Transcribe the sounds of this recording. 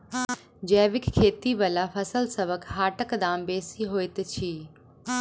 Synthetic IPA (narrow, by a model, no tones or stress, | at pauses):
d͡ʒɛːʋɪkkʰːeːt̪iʋəlafʰəsəlsɐʋəkɦaːʈəkd̪aːmbeːsiɦoːɪt̪t͡ʃʰiː